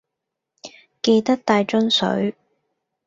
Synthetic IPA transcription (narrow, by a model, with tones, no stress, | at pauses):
ke˧jt̪ɐ˥k̚t̪aː˧jt͡ʃɵ˥nsɵ̰˨˥ɥ